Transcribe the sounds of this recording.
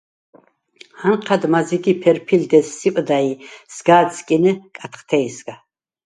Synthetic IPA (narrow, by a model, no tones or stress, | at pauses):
hanqʰad̪maziɡipʰɛɾpʰild̪ɛsːipʼd̪aisɡaːt͡sʰʼkʼinɨkʼat̪ʰχt̪ʰɛjsɡa